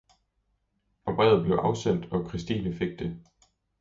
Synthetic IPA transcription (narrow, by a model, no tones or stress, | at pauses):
ɒ̽b̥ʁɛ̰ːʊð̩ˠb̥le̝ʊʔɑ̈ʊsen̰d̥ɒ̽kʰʁisd̥iːnəfe̝ɡ̥̚d̥e̝